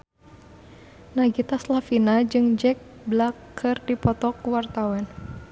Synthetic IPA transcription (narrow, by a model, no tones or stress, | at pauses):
naɡit̪aslafinad͡ʒɨŋd͡ʒɛk̚blakʰːɨrdipɔt̪ɔkuwart̪awɛn